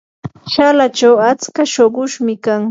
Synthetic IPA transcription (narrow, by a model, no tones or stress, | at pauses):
ʃalat͡ʃawat͡skaʃoɢʊʃmɪkaŋ